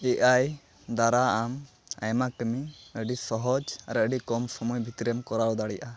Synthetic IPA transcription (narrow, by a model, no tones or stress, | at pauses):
ɛʔaj | d̪aɾaam | a̰jmakəmiəɖisɔɦɔd͡ʒa̰ɾəɖikɔmsɔmɔjbʱit̪iɾɛmkɔɾawɔd̪aɽɛjaʔa